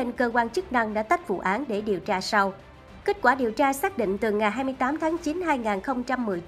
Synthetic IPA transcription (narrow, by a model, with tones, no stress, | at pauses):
e˧nkəː˧kwaː˧nt͡ɕɨ˦˥k̚na˧ŋɗa̰ː˧˥t̪a˦˥jk̚vṵ˧˨ʔaː˨˦nɗe˧˩ɗi˨˩əwt͡ɕaː˧sa˧w | ke˦˥t̚kwaː˧˩ɗi˨˩əwt͡ɕaː˧saː˦˥k̚ɗḭ˧˨ŋ̟t̪ɨ˨˩ŋa˨˩jɦaː˧jmɨ˧jt̪aː˨˦mt̪ʰaː˨˦ŋt͡ɕi˨˦nɦaː˧jŋaː˨˩nxə˧wŋ͡mt͡ɕa˧mːɨ˨˩əjt͡ɕ